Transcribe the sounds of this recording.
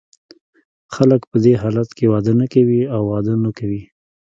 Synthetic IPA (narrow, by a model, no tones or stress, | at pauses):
xaləkpəd̪eɦɑlat̪kewɑd̪ənakawiawːɑd̪ənəkawi